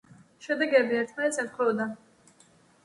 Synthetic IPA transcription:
ʃɛd̪ɛɡɛbiɛɾt̪ʰmanɛt̪sɛt̪χwɛvɔd̪a

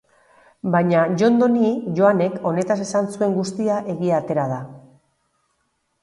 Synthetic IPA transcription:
baɲaʝo̞nd̪o̞niʝo̞ane̞ko̞ne̞t̪ase̞sansue̞ŋɡust̪iaʔe̞ɣiat̪e̞ɾað̞a

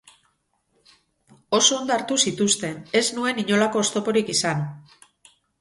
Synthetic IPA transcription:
o̞so̞ːnd̪oaɾt̪usit̪ust̪e̞ne̞znue̞niɲo̞lako̞ːst̪o̞po̞ɾikisan

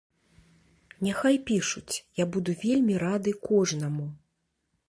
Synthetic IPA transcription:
nʲaxajpʲiʂut͡sʲjabud̪uvʲelʲmʲiɾad̪ɨkɔʐnɐmu

